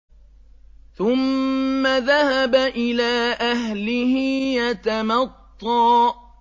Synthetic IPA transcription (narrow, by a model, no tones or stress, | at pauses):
θʊmːaðahabaʔɪlaːʔaɦlɪhɪjat̪amɑt̪ˤːɑː